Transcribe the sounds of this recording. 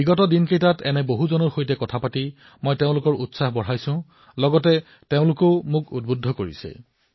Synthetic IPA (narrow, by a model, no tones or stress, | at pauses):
biɡɔtɔdinkejtatɛnɛboɦuzɔnɔɹxojtɛkɔtʰapati | mɔjteʊ̃lʊkɔɹutsaxbɔɹajsʊ̃ | lɔɡɔtɛ | teʊ̃lʊkoʊmʊkud̚budʱɔkoɹḭsɛ̰